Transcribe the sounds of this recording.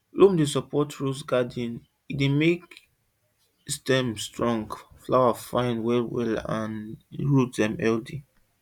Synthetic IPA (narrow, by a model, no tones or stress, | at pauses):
lomdesɔpɔtɹusɡadĩn | idemek | stɛ̃mstɹɔ̃ŋɡflawafãɪ̃nwɛlwɛ̰lã̰nɹutdɛ̃mɛldi